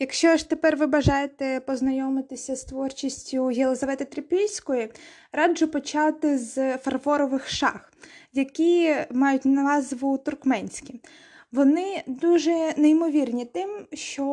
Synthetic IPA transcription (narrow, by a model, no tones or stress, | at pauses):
jɐkʃt͡ʃɔʃt̪epɛrʋɪbɐʒɑjet̪ɛpɔznɐjɔmɪt̪ɪsʲɐst̪ʋɔrt͡ʃisʲtʲʊɦʲelˠɔzɐʋɛt̪ɐt̪ɾɪpʲijʲsʲkɔji | rɑd͡ʒʊpɔt͡ʃɑwt̪ɪzfɐrfɔɾɔʋɪxʃɑ̰x | jɐkʲimɑjʊtʲnɐʋɑzʋʊt̪ʊrkmɛnʲsʲkʲi | ʋɔnɪd̪uʒɛneimɔʋʲirnʲit̪ɪmʃt͡ʃɔ